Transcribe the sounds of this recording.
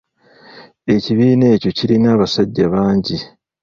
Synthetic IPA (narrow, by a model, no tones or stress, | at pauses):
e̞ciβiːne̞ːco̞ciɾinaːβasaɟːaβaːɲɟi